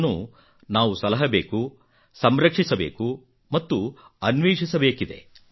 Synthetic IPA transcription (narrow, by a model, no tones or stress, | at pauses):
nːṵ | naːʋusɐlɐɦɐbeːku | sɐmɾɐkʂisɐbḛːku | mɐt̪ːu | ɐnʋeːʂisɐbeːkid̪e̞̰